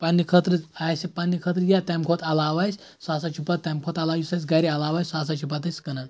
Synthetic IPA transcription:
panːikʰət̪ɾɨt͡sajsipanːikʰət̪ɾɨjat̪amkʰot̪ɐlaʋajsʲ | sas̬at͡ʃʰipat̪t̪ːamkʰot̪ɐlajisajs̬ʲɡaɾiɐlaʋajssaːsat͡ʃʰipat̪ɐsʲkɐnan

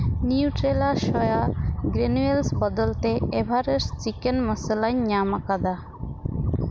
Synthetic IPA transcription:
niuʈɾelaʃɔjaɡɾenuelsbɔd̪ɔlt̪eebʱaɾeɾt͡ʃikenməsəlaɲɲamakad̪a

